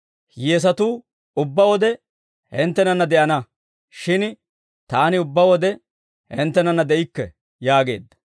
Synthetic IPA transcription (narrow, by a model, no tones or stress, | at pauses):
jeːs̬ɐt̪uː | ʊbːɐwɔd̪ɛ | hɛnt̪ːɛnɐnːɐd̪ɛʔɐnɐ | ʃɪn | t̪aːnɪʊbːɐwɔd̪ɛ | hɛnt̪ːɛnɐnːɐd̪ɛʔɪkːɛ | jaːɡe̞̰ːd̪ːɐ̥